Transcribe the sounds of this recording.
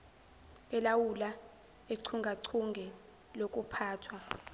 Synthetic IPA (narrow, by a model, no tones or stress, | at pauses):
ɛlawula | eǀʰuŋɡʱaǀʰuŋɡʱɛ | lok̬ʼupʰaːtʰwa